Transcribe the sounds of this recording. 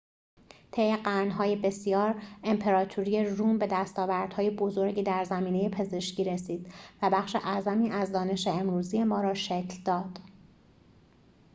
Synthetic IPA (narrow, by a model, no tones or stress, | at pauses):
t̪ʰe̞jeɢæɾnɦɒːje̞be̞sijɒːɾe̞mpʰe̞ɾɒːt̪ʰuɾije̞ruːmbe̞d̪æst̪ɒːvæɾd̪̥hɒːje̞bo̞zo̞ɾɟiːd̪æɾzæmiːneje̞pʰe̞ze̞ʃcʰiːɾe̞siːd̪̥væbæxʃeʔæzæmiːʔæzd̪ɒːne̞ʃeemɾuːzije̞mɒːɾɒːʃecʰld̪ɒːd̪̥